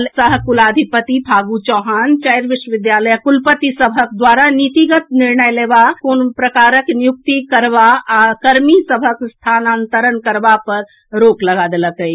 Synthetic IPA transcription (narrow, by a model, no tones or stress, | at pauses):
lsəɦkulad̪ʱipət̪ibʱaɡut͡ʃɔɦant͡ʃajɾʋiʃwəʋid̪jaləjakulpət̪isəbʱək̚d̪waɾanit̪iɡət̪niɾɳəjlebakonpɾəkaɾəknijuk̚t̪ikəɾbaːkəɾmisəbʱəkst̪ʰanant̪əɾənkəɾbapəɾ | ɾokləɡad̪eləkəj